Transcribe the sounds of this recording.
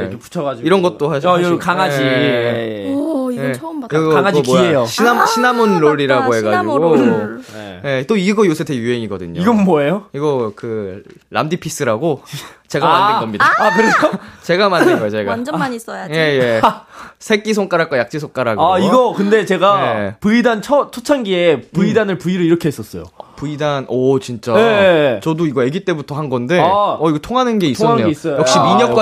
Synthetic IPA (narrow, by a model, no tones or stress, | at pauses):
epu̥t͡ɕʰʌɡad͡ʑiiɾʌnɡʌtt͈oɦaɕʰokaŋad͡ʑi | ijeʌmaŋaikmoiejoɕʰinaɕʰinamunɾoɾiɾaɡoɦe̞ɡad͡ʑiɡo | je̞t͈oiɡʌjos̬ʰetʰejuɦe̞ŋiɡʌdɯ̰ɲoiɡʌnmwʌejoiɡʌkɯ | ɾa̰mdipʰis͈ɯɾaɡot͡ɕe̞ɡamaiɭɡʌmɲidakɯɾeot͡ɕe̞ɡamandɯɡʌjot͡ɕeɡand͡ʑʌmaɲis͈ʌjaje̞je | sʰe̞k͈isʰoŋk͈aɾak͈wajak̚t͡ɕ͈isʰoŋk͈aɾaɡoaiɡʌkɯnde̞t͡ɕe̞ɡaepɯidant͡ɕʰʌt͡ɕʰot͡ɕʰanɡiepɯidanɯɭpuiɾɯiɾʌkʰeɦes͈ʌs͈ʌjo̰puidanʌt͡ɕint͡ɕ͈at͡ɕʌdoiɡʌeɡit͈e̞butʰʌhanɡʌnde̞ʌiɡʌtʰoŋɦanɯnɡeisʰʌːeoes͈ʌjʌkɕ͈imiɲʌk͈a